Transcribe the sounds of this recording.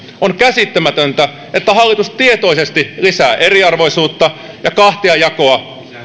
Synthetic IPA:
oŋkæsit̪ːæmæt̪ønt̪æ | et̪ːæɦɑlːit̪ustt̪iet̪o̞isest̪ilisæːʔeɾiɑrʋo̞isuːt̪ːɑ | jɑkɑht̪eɑjɑko̞ɑ

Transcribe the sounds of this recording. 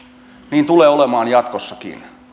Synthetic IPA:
niːnt̪uleːolemɑːnjɑt̪kosːɑkḭn

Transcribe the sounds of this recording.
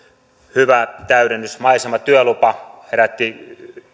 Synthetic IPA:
hyʋæt̪æyɾenːysmɑisemɑt̪yølupɑheɾæt̪ːi

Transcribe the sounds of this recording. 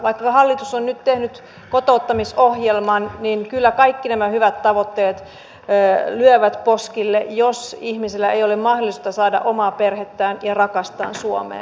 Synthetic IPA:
ʋɑikːɑhɑlːit̪usonnyt̪t̪ehnyt̪ | kot̪oˑut̪ːɑmisohjelmɑnninkylːækɑikːinæmæhyʋæt̪t̪ɑʋot̪ːeːt̪ː | lyøʋæt̪poskilːejosihmiselːæejolemmɑhdolˑist̪ɑsɑːdɑ̰ʔomɑːperhet̪ːæːnjɑrɑkɑst̪ɑ̰ːnsuo̰mḛː

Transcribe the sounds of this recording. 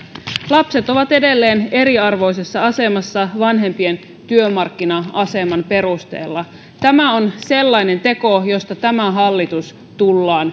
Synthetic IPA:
lɑpse̞t̪o̞ʋɑt̪e̞de̞lːe̞ːne̞ɾiɑrʋo̞js̬e̞sːɑɑse̞mɑsːɑʋɑnɦe̞mpien | t̪yømɑrkːinɑɑse̞mɑnpe̞ɾust̪e̞̰ːlːɑ | t̪æmæonse̞lːɑine̞nt̪e̞ko̞jo̞st̪ɑt̪æmæɦɑlːit̪us | t̪ulːɑːn

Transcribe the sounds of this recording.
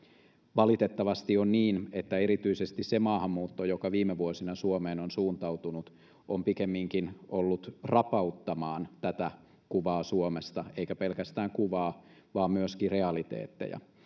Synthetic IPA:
ʋɑlit̪et̪ːɑʋɑst̪ionniːnet̪ːæeɾit̪yisest̪issemɑːhɑmːuːt̪ːojokɑʋiːmeʋuosinɑsuomeːnonsuːnt̪ɑut̪unut̪ | ʔompikemːiŋkinolːut̪rɑpɑut̪ːɑmɑːnt̪æt̪æ | kuʋɑːsuomest̪ɑeikæpe̞lkæst̪æːŋkuʋɑːʋɑːmmyøskireɑlit̪ḛːt̪ːḛjɑ̰

